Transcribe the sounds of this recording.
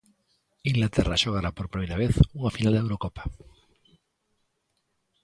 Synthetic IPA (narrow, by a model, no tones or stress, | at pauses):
iŋɡlat̪era̰ʃoɣ̞aɾapoɾpɾimeɾaβ̞eθuŋafinald̪ewɾokopḁ